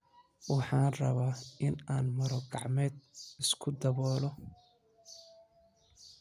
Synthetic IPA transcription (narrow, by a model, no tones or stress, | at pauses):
wɑħɑːnrɐβaːɪnaːnmɐɾɔɡɑʕmɛːd̪ɪskʰʊd̪ɐβɔːlɔ